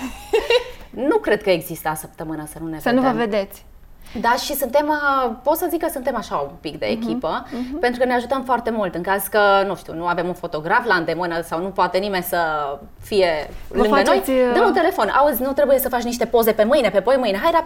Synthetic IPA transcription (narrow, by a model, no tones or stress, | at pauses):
nukɾe̞d̪̚kəeɡzist̪əasəp̚t̪əmɨnəsənuneasənuvəved̪et̪sʲ | d̪aʃisunt̪e̞məpo̞t̪səzikəsunt̪e̞maʃaumpikd̪e̞̰ːkʲipəpe̞nt̪ɾukəne̞aʒut̪əmfoart̪e̞mult̪ɨŋkaz̥kənuʃt̪ḭṵwnuave̞munfo̞t̪o̞ɡɾafland̪e̞mɨnəsawnupoat̪e̞nime̞nʲsə | fije̞lɨŋɡdənojʲd̪ənut̪e̞le̞fo̞nʔa̰uzʲnut̪ɾe̞buje̞səfat͡ʃniʃ̬t̪e̞po̞ze̞pe̞mɨjnepe̞pojmɨjneɦajɾap